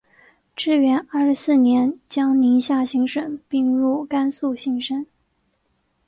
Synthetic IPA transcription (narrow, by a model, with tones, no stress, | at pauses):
ʈ͡ʂɻ̩˥˩ɥɛ˧˥nə˥˩ʂɻ̩˧˥sɹ̩˥˩njɛ˧˥nt͡ɕjɑ˥ŋni˧˥ɕja˥˩ɕi˧˥ŋʂə˨˩ŋpi˥˧ŋɻu˥˩ka˥nsu˥˧ɕi˧˥ŋʂə˥n